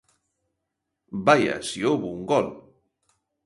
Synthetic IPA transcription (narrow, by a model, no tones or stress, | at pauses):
baja̰sioβuŋɡɔn